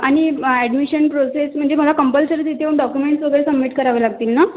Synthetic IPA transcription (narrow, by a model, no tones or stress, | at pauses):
aɽ̃iæɖmiɕənpɾosesm̤əɳd͡zem̤əlakəmpəlsəɾt̪it̪ʰeʋəɳɖɔkjumeɳʈsʋəɡəɾesəbːiʈkəɾaʋəlaɡ̚t̪iːlna